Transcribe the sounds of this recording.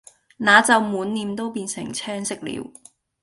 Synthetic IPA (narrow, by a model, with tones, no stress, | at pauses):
naː˨˧t͡sɐ˨˧wmuː˨˥nːiː˨mt̪o˥wpiː˧nsɪ̰˨˩ŋt͡sʰɛː˥ŋsɪ˥k̚lḭː˨˧˥w